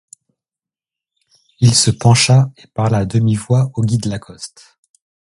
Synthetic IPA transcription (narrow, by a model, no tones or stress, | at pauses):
ilsəpɑ̃ʃaepaʁlaːd̪əmivwaoɡʲid̪lakʰɔst̪